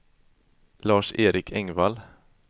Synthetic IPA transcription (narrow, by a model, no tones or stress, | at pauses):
lɑːʂeːɾɪkʰɛŋval